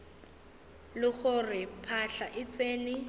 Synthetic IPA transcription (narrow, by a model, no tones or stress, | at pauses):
lɪχʊrɪpʰaɬaʔɪt͡seːnɪ